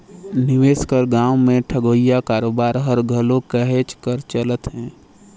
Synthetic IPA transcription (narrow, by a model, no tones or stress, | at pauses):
nɪʋeːskəɾɡãːʊmẽʈʰəɡoːijakaːɾoːbaːɾɦəɾɡʱəlõkəɦet͡ʃkəɾt͡ʃələt̪ɦɛ̃ː